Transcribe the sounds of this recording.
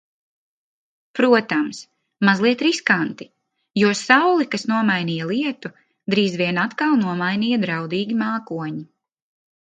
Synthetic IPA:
pɾuɔt̪ams | mazlˠiɛt̪ɾiskant̪i | juɔsawlˠikasnuɔmajniːjalˠiɛt̪u | d̪ɾiːzviɛnat̪kalˠnuɔmajniːjɐd̪ɾawd̪iːɡʲimaːkuɔɲi

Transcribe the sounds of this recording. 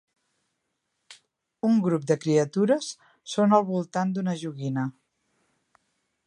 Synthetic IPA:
uŋɡɾup̚d̪əkɾiət̪uɾəsː | onəlˠβulˠt̪and̪unəʒuɣinə

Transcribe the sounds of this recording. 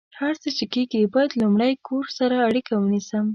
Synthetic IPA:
haɾt͡sət͡ʃekeɡibɑjad̪lumɽəjkʰoɾsaɾaːɽikawənisəm

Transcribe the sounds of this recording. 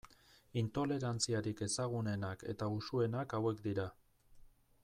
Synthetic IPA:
int̪o̞le̞ɾant͡siaɾike̞saɣ̞une̞nake̞̰t̪ausue̞nakawe̞kd̪iɾa

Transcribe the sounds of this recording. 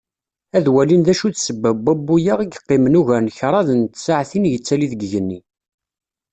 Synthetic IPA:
æðwælinðæʃuðsəbːæbæbːujaʁəɡqːɪmnuʝæɾnçɾˤɑðnt̪saʕθinjət͡sːæliðəɡʝənːi

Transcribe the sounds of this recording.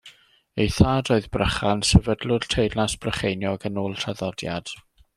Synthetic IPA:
ejθaːdoːɨðbrəχansɛvədlʊrtʰejdlnasb̥rəχejnjɔɡənoːlˠtʰaðɔdja̰d̥

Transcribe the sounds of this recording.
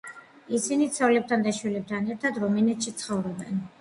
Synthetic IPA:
isinit̪sʰɔlɛp̚t̪ʰand̪aʃwilɛp̚t̪ʰanɛɾt̪ʰad̪ɾɔminɛt̪ʃit̪sʰχɔvɾɔbɛ̰n

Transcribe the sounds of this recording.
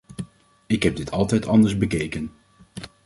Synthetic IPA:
ɪkɦɛb̚dɪtʰɑlˠtɛjtɑndəɹzbəkejkən

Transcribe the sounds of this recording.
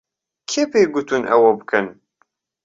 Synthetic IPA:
kʰːifæjɡʷːut̪unʔæ̰wæbkən

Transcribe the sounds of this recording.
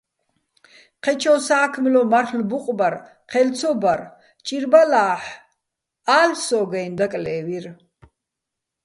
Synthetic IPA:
qʰɛt͡ʃʰɔsaːkʰmlɔmarlbuqʼbaɾ | qʰɛlt͡sʰɔbaɾ | t͡ʃʼiɾbalaːħ | aːlsɔɡajnd̪akʼlɛːviɾ

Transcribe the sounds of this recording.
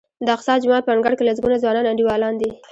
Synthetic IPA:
d̪əaqsɑd͡ʒʊmɑt̪̚pəaŋɡaɽkelaz̬ɡunazwɑnɑnaɳɖiwɑlɑnd̪i

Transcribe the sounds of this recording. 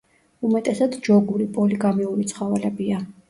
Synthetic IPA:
umɛt̪ʼɛsad̪d͡ʒɔɡuɾipʼɔliɡamiuɾit̪sʰχavɛlɛbia

